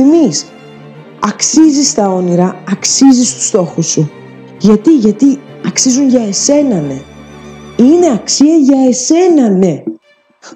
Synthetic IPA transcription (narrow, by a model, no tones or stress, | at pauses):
inis | ɐksizist̪ɐo̞niɾɐɐksizist̪u̥st̪o̞xusːu | ʝɐt̪iʝɐt̪i | ɐksizunʝɐe̞se̞nɐne̞ | ine̞ɐksiɐʝɐese̞nɐne̞